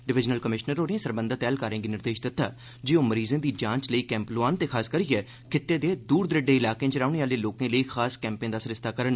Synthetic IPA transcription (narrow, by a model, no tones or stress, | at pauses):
ɖɪʋɪd͡ʒnəlkəmɪʃnəɾoːɾẽːsəɾbə̃nd̪aːt̪ɛːlkaːɾẽːɡiːnɪɾd̪eːʃd̪ɪt̪ːaː | d͡ʒeːõːməɾiːzẽːd̪iːd͡ʒãːt͡ʃləiːkɛ̃ːmploaːnt̪eːkʰaːskəɾiːɛː | kʰɪt̪ːeːd̪eːd̪uːɾd̪əɾɪɖeːɪlaːkẽːt͡ʃəɾaːʊɽ̃eːaːleːloːkẽːləiːkʰaːskɛ̃ːmpẽːd̪aːsɾɪst̪aːkəɾən